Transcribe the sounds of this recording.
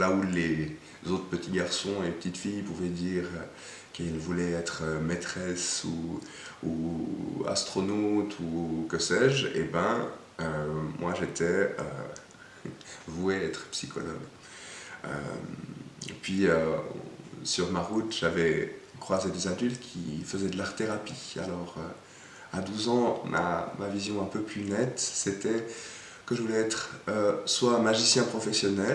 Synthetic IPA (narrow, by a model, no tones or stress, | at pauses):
laule | zot̪χəpət̪ʰiɡaʁsɔ̃epət̪it̪fijpuvɛd̪iːʁ | kilvulɛɛt̪χəmɛt̪χɛsu | u | a̰st̪χɔnot̪ʰukəsɛːʒḛbɛ̃ | ømwʔaʒet̪ʰɛø̰ | vueɛt̪χpsikʰɔ̰lɔ̰ɡ | ø̰mpɥiø̰ | syʁmaʁut̪ʒ̥avɛ | kχwazed̪ezad̪ylt̪kʲʰifəzɛd̪əlaʁt̪eʁapia̰lɔʁø | ad̪uzɑ̃mʔa̰mavizjɔ̃ɛ̃pøplynɛt̪set̪ɛ | kəʒəvulɛɛt̪χøswamaʒisjɛ̃pχɔfɛsjɔnɛl